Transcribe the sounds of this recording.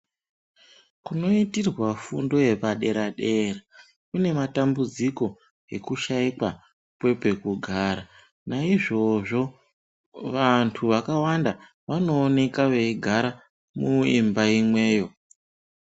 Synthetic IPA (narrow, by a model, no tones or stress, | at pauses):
kuno̞itirwafundo̞je̞paɗe̞ɾaɗe̞ːɾa | kune̞matambud͡ziko̞ | e̞kuʃaikwa | pwe̞pe̞kuɡʱaɾa | naiʐo̞ʐo̞ | ʋantʰuʋakawanda | ʋano̞ːne̞kaʋeiɡʱaɾa | muḭmbaimwe̞ːjo̞